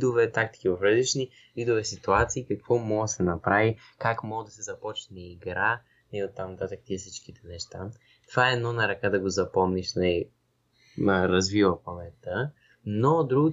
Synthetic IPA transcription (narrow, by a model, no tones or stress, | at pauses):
d̪ovɛt̪ak̚t̪i̥k̟ivɐfɾəzit͡ʃni | vid̪ovɛsit̪uat̪siːkɐkvɔmɔɡəsɛnɐpɾavi | kakmɔɡəd̪ɐsɛzɐpɔt͡ʃnɛiɡɾa | nɛiot̪ːamnɐt̪at̪əkt̪iɛsit͡ʃkit̪ɛnɛʃt̪a | t̪ovaɛɛd̪nɔnɐɾɐkad̪ɐɡozɐpɔmniʃnəi | ɾɐzvivəpɐlɛt̪ə | nod̪ɾuɡʊ